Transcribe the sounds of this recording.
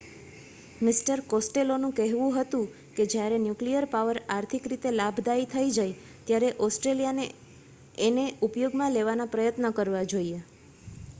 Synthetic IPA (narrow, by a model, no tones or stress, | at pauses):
mɪsʈəɾkɔsʈelonũkɛɦʋũɦət̪ũ | ked͡ʒjaɾenjuklijəɾpaʋəɾaɾt̪ʰikɾit̪elabʱd̪ait̪ʰəid͡ʒaj | t̪jaɾeʔɔsʈɾelijane | eneupjoɡmãleʋanapɾəjət̪nəkəɾʋad͡ʒoie